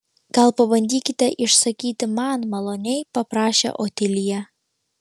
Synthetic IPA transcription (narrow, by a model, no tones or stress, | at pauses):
kɑlˠpəβənʲd̪ʲikʲit̪æʔiʃsɐkʲit̪ɘmɑnmɑlˠonʲejpɐpɾɑɕɛ̰ʔot̪ʲelʲijæ